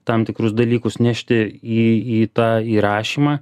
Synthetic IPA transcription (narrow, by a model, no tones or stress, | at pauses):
t̪ɐmt̪ʲɪkɾʊsd̪ɐlʲiːkʊsnʲæʃʲt̪ʲɪiːiːt̪ɑːiːɾɑːʃʲiːmɑː